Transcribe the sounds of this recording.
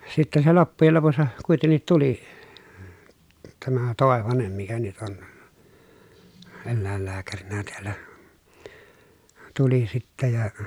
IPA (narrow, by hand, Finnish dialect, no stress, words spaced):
sitːen se lopːujel lopusːɑ kuitenːit tuli tæmæ toˑeʋɑnem mikæ nyt on elːæˑelːæːkærinæ teælːæ tuli sitːæ jɑ